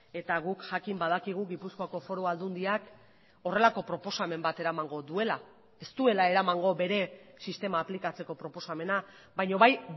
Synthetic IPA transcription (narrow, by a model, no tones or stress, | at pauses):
e̞t̪aɣukʝakimbað̞akiɣ̞uɣipuskoako̞fo̞ɾoald̪und̪iak | o̞re̞lako̞pɾo̞po̞same̞mbat̪e̞ɾamaŋɡo̞ðue̞la | e̞st̪ue̞lae̞ɾamaŋɡo̞βe̞ɾe̞sist̪e̞maːplikat͡se̞ko̞pɾo̞po̞same̞na | bajɲo̞βaj